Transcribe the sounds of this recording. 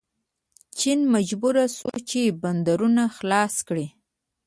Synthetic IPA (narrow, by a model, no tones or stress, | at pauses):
t͡ʃinmad͡ʒbuɾasṵt͡ʃeband̪aɾunaxlɑskɽi